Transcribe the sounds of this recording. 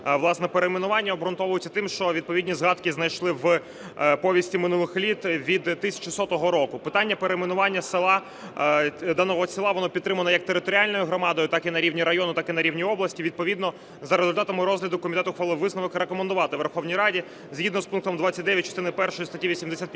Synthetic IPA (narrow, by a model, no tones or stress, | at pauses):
ʋlˠɑsnɛpeɾemenʊʋɑnʲːɐɔbɾɔnt̪ɔʋʊjʊt͡sʲːɐt̪ɪmʃt͡ʃɔʋʲid̪̚pɔʋidʲnʲizɦɑd̪kiznɐjʃlˠɪʋ | pɔʋʲjisʲtʲimɪnulˠɪxlʲit̪ʋʲid̪t̪ːɪsʲɐ̥t͡ʃɪsɔt̪ɔɦɔɾɔkʊpɪt̪ɑnʲːɐpeɾemenʊʋɑnʲːɐsɪɑ | d̪ɑnɔɦɔt͡sʲilˠɑʋɔnɔpʲt̪ːɾɪmɐlnɐjɐk̚t̪eɾɪt̪ɔɾʲialʲnɔjʊɦɾɔmɑd̪ɔjʊt̪ɑkinɐɾʲiwnʲiɾɐjɔnʊt̪ɑkɪnɐɾʲiwnʲijɔblˠɐsʲtʲiʋʲid̪̚pɔʋʲid̪nɔ | zɐɾezʊlʲt̪ɑt̪ɐmɪɾɔzɦlʲɐd̪ʊkːɔmʲit̪ɛt̪ʊxʋɑlˠɪʋɪsnɔʋɪkɾekɔmend̪ʊʋɑt̪ɪʋerxɔwnʲijɾɑdʲi | zʲɦʲid̪nɔspunk̚t̪ɔmd̪ʋɑt͡sʲːɐt̚ʲd̪ɛʋʲjɐt̚ʲt͡ʃːɔst̪ɪnɪpɛrʃɔjist̪ɐtʲiʋʲisʲimd̪esʲat̪pʲ